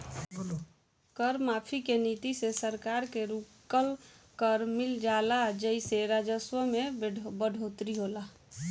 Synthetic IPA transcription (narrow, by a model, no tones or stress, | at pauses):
kəɾmapʰikenit̪isesəɾkaɾkeɾukəl | kəɾmild͡ʒalad͡ʒəiseɾad͡ʒəswəmebəɖʱot̪ɾiɦola